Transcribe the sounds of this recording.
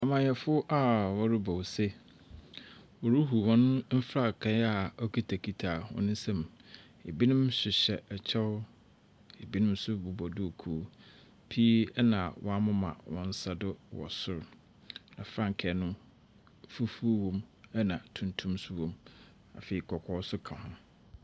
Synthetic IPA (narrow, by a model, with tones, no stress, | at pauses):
a˨mã˨jɛ˨fʊ˦ʔa˦wɔ˦ɾʊ˦bɔ˨wsɛ˦ | ɔ˨ɾu˦ɦu˨wɔ̃˦nʊ̃˦m̩˦fɾa˦˨kʰɛ̃˦a˦˨ɔ˦kʰi˦tʰa˨kʰi˨tʰaː˨wɔ̰̃˨˦nʊ̃˦n˦sɛ̃˦m | e˨bi˦nɪ̃˦mɕɪ˨ɕɛ˨ɛ˨t͡ɕʰɛ˦w | e˨bi˦nʊ̃˦m˦sʊ˦bu˨bɔ˨dʊ˦o˨kʰu˨˦ | pʰi˦ɛ˦nã˨wɔ̃˦a˦mʊ̃˦mã̰˨wɔ̰̃˦n̩˦sa˦dʊ˦wɔ̰˨sʊ˦ɾ | nã̰˨fɾã˦ŋ˨kʰɛ˨nʊ̃˦ | fu˦fu˦wɔ̃˦mɛ˦nã˨tʰũ˨ntʰũ˦msʊ˦wɔ̃˨m | a̰˨feː˨i˨kʰɔ˨kʰɔ˦sʊ˦kʰã˨hʊ̃˦m